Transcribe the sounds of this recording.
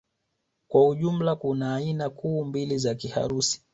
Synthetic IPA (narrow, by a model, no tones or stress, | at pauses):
kwauʄum̩lakunaːinakuːmbilizakiha̰ɾusi̥